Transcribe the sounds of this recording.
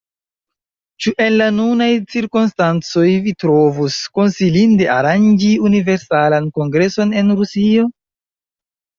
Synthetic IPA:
t͡ʃuʔe̞nlanunajt͡siɾkunstant͡so̞jvitɾo̞vusko̞nsilinde̞aɾand͡ʒiunive̞ɾsalanko̞ŋɡɾe̞so̞ne̞nɾusio̞

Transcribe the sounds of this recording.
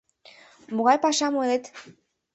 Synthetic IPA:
muɣalpaʃamuelet̪

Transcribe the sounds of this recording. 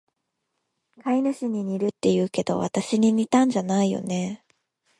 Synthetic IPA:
kainɯ̟ɕiɲ̟iɲ̟ʲiɾɯ̟t̪ːe̞jɯ̟ːke̞d̪o̞̰βa̰t̪aɕiɲ̟iɲ̟ʲit̪ãɲ̟d͡ʑanaijo̞̰ne̞

